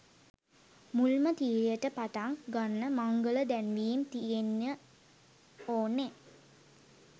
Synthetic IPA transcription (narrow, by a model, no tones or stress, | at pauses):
mulmət̪iːlijəʈəpat̪aŋɡanːəmaŋɡələd̪ænʋiːmt̪ienjə | oːnːe